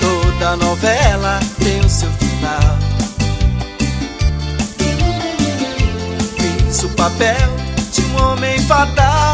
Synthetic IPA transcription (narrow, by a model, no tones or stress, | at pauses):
t̪od̪ɐnɔvɛlɐt̪ẽj̃ʊsewfinaw | ẽsupapɛwd͡ʒɪ̃ũõmẽj̃fat̪a